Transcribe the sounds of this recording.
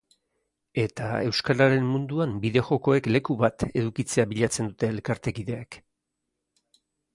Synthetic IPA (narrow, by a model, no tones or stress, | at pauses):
e̞t̪ae̞wskaɾaɾe̞mːund̪uambiðe̞xo̞ko̞e̞kle̞kuβat̪e̞ðukit͡se̞aβiʎat͡se̞nd̪ut̪e̞ːlkaɾt̪e̞kiðe̞ak